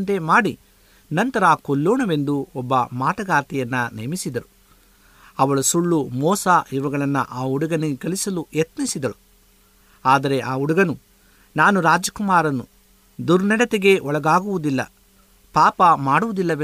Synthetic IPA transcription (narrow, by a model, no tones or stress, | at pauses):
nt̪e̞maːɽi | nɐnt̪ɐɾaːkolːoːɳɐʋe̞nd̪uɔbːɐmaːʈɐɡaːɾt̪ijɐnːɐnemisid̪ɐɾu | ɐʋɐɭɐsuɭːumɔːsaːʔiʋɐɡɐɭɐnːɐ̰ʔaːuɽɐɡɐniɡɡɐlisɐlujɐt̪nisid̪ɐɾu | aːd̪ɐɾe̞ʔaːuɽɐɡɐnu | naːnuɾaːd͡ʒɐkumaːɾɐnːu | d̪uɾnɛɽɐt̪eɡe̞ɔɭɐɡaːɡuʋud̪ilːɐ̰ | paːpɐmaːɽuʋud̪ilːɐʋe